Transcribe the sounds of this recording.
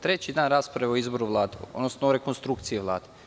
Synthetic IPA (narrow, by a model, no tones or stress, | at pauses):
t̪ɾe̞t͡ɕid̪aːnɾaːspɾaʋeoizbo̞ɾuʋlˠaːd̪eod̪nosnoɾe̞konst̪ɾuk̚t̪siiʋlˠa̰ːd̪e